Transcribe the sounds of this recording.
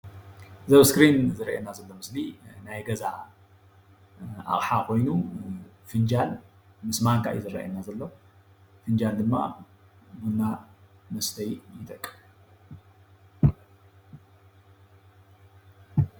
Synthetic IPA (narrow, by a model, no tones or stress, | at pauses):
zɐβskɾinzɨɾʔḛnazɐlːo̞mɨslinajɡɐza | ʔa̰χʼħakʰo̞jnu | fɨnd͡ʒal | mɨsmaŋkʰa̰ʔjizɨɾɐ̰ʔḛnːazɐlːo̞ | fɨnd͡ʒald̪ɨmːa̰ | munːa | mɐst̪ʰɐjjɪt̪ʰʼɐkʼːɨ̥f